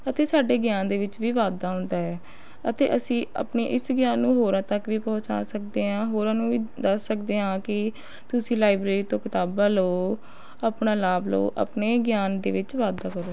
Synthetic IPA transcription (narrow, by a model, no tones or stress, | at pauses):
ət̪eːsaːɖeːɡjaːnd̪eːʋɪt͡ʃʋiːʋaːd̪aːɦʊ̃nd̪aːɦɛː | ət̪ḛːʔəsĩːə̰pneːʔɪsɡjaːnːũːɦoːɾãːt̪əkʋiːpɔ̃ːt͡ʃa̰ːsək̚d̪eːɦãːɦoːɾãːnũːʋiːd̪əsːəkd̪eːɦãːkɪ | t̪ʊsĩːlaːɪbɾeːɾiːt̪õːkɪt̪aːbãːloː | aːpnãːlaːblo̰ːʔə̰pneːɡɪjaːnd̪ḛːʋɪt͡ʃʋaːd̪aːkəɾoː